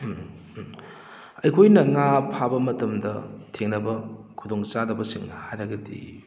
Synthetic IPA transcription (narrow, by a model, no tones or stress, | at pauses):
ɐjkʰojnɐŋapʰabɐmɐtɐmdɐtʰeŋnɐbɐkʰudoŋt͡ʃadɐbɐsiŋnɐhajɾɐɡɐdḭ